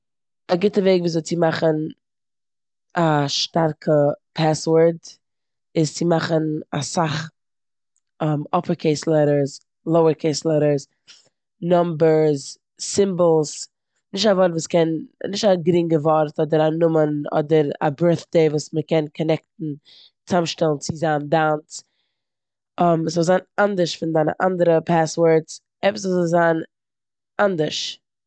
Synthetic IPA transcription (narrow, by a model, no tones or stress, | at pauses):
aɡɪtəveɪɡviːzɔɪt͡sɪmaχən | aʃtaɾkʰəpʰɛswəɾd | ɪst͡sɪmaχənasaχ | ɔmɔpəɾkʰeɪslˠɛɾəɾs | lˠoʊəɾkʰeɪslˠɛɾəɾs | nɔmbəɾzː | ɪmbl̩ˠs | nɪʃ̬tavɔɾtvuːskɛnnɪʃtaɡɾɪŋɡəvɔɾtɔdəɾanʊmənɔ̰dəɾa̰bɜɹθd̥eɪvuːsməkɛnkʰɔnɛk̚tn̩ | t͡samʃtɛlˠn̩t͡sɪzaːndant | ɔməszɔlˠzaːnandəʃfɪndaɪnə̰ʔa̰ndəɾəpʰaswəɹs | ɛpəsvulzɔlˠzaːn | ʔandəɾʃ